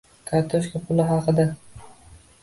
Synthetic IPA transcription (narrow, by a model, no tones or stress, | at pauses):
kʰaɾt̪ʰoʃkʲapʰʊlˠɪɦɑqʰɨd̪a